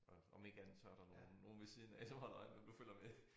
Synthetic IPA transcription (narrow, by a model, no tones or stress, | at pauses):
ɒɒ̽me̝ɡ̥ænt͡sʰɶɐ̰ɾ̥ɑ̈no̝ːn̩ːo̝ːn̩ʋesiðˠnææsɒmɦɒ̽l̰ɐɒ̽ɪnmend̥uføl̰ɐme